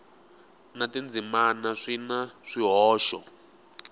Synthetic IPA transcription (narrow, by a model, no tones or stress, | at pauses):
natind͡zimanaʂinaʂiɦɔːʃɔ